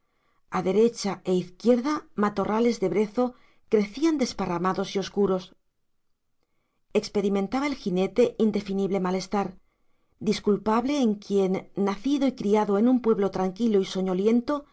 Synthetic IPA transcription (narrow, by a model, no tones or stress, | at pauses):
aðe̞ɾe̞t͡ʃae̞iθkje̞ɾðamat̪o̞rʔale̞zðe̞βɾe̞θo̞ | kɾe̞θiand̪e̞sparamaðo̞sio̞skuɾo̞s | e̞kspe̞ɾimẽ̞nt̪aβae̞lxine̞t̪e̞ʔind̪e̞finiβle̞male̞st̪aɾ | d̪iskulpaβle̞ːŋkje̞nːaθiðo̞ikɾiaðo̞enumpwe̞β̞lo̞t̪ɾaŋkiloiso̞ɲo̞lje̞nt̪o̞